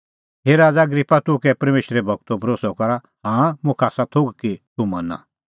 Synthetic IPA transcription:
ɦeːɾaːd͡zaɐɡɾipːat̪ʊkɛpɐɾmeːʃɾɛbʱɐɡt̪obʱɐɾoːsɔkɐɾa | hãmʊ̃kʰaːsat̪ʰoɡkit̪umɐnã̰

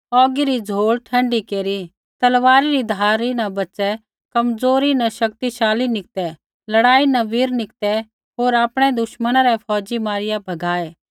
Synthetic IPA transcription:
ɔːɡiɾid͡zʱoːɭʈʰɐ̃ɳɖikeːɾi | t̪ɐlʋaːɾiɾid̪ʱaːɾinɐbɐt͡ʃɛ | kɐmd͡zoːɾinɐʃɐk̚t̪iʃaːlinɪk̚t̪ɛ | lɐɽaːinɐʋiɾnɪkt̪ɛ | ɦoːɾaːpɽ̃ɛd̪ʊʃmənaɾɛpʰɔːd͡ʒimaːɾɪjabʱɐɡaːɛː

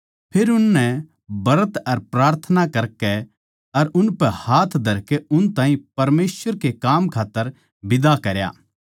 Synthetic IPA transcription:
pʰeːɾʊnːɛ | bɐɾət̪ɐɾpɾaːɾt̪ʰənakɐɾkɛ | ɐɾʊnpɛhaːt̪ʰd̪ʱɐɾkɛʊnt̪aːɦĩpɐɾmeːsʋəɾkekaːmkʰaːt̪ːəɾ | bɪd̪akɐɾja̰ː

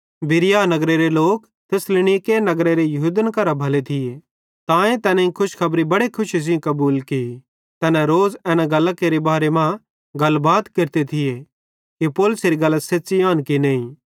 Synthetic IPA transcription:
bɪɾɪjanɐɡɾeɾeloːk | t̪ʰɪslɪñikenɐɡɾeɾejɐɦud̪ənkɐɾabʱɐlet̪ʰɪje | t̪ãːẽt̪ɛːnɛ̃ĩkʰʊʃkʰɐbɾibɐɽekʰʊʃizĩkɐbuːlki | t̪ɛːnɛ̃ɾoːzɛːnɛɡɐlːəkːeɾebaːɾemã | ɡɐlbaːd̪kɪɾt̪et̪ʰɪje | kipoːlʊseɾiɡɐlseːsiaːnkinẽːĩ

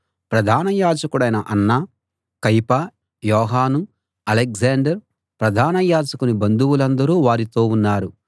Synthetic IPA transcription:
pɾɐd̪ʱaːnɐjaːd͡ʒɐkuɽɐjnɐʔɐnːɐ | kɐjpɐ | jɔːɦaːnu | ɐlek̚zaːɳɖɐɾ | pɾɐd̪ʱaːnɐjaːd͡ʒɐkunibɐnd̪uwulɐnd̪ɐɾuːʋaːɾit̪o̞ːunːaːɾu

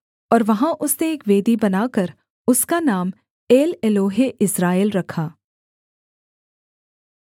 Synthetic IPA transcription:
ɔːɾʋɐɦãʔʊsneeːkʋeːd̪ibɐnaːkɐɾ | ʊskanaːm | eːleloːɦeʔɪsɾaːelɾɐkʰaː

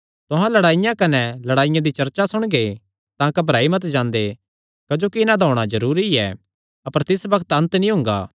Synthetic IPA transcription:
t̪ʊɦãlɐɽaːɪjãkɐnɛlɐɽaːɪjãd̪it͡ʃɐɾt͡ʃasʊɽ̃ɡe | t̪ãːkɐbʱɾaːimɐt̪̬d͡ʒãːnd̪e | kɐd͡ʒoːkiɪnãd̪ʱɔːɽ̃azɐɾuːɾiɛ̰ː | ɐpəɾt̪ɪsbɐkʰt̪ɐ̃nt̪nĩɦʊ̃ːŋɡa̰ː

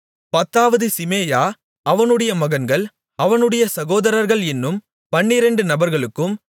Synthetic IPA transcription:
pɐt̪ːaːʋɐðɯsɪmeːjaː | ɐʋɐnɯɽɐjɐmɐɣɐnɡɐɭ | ɐʋɐnɯɽɐjɐsɐɣoːðɐɾɐɾɣɐɭɛnːɯm | pɐɳːɪɾɐɳɖɯnɐbɐɾɣɐɭɯkːɯm

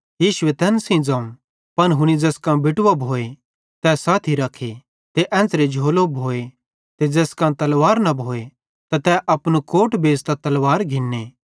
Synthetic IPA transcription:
jiːʃʊet̪ɛ̃ːnsĩd͡zãːũ | pɐnɦʊɽ̃id͡zɛːskãbɪʈʊʋabʱoːe | t̪ɛːsaːt̪ʰiɾɐkʰːe | t̪eʔɛ̃ːnt͡sɾed͡ʒʱoːlobʱoːe | t̪ed͡zɛːskãt̪ɐlʋaːɾnɐbʱoːe | t̪at̪ɛʔɐpnukoːʈbeːst̪at̪ɐlʋaːɾɡʱɪnːeː

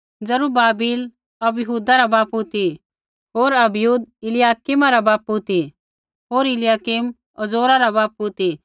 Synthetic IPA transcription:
d͡zɐɾubaːbiːl | ɐbjəɦuːd̪aɾabaːpɦut̪i | ɦoːɾɐbjuːd̪̚ɪlɪjaːkimaɾabaːput̪i | ɦoːɾɪljaːkim | ɐzoːɾaɾabaːpʊt̪i

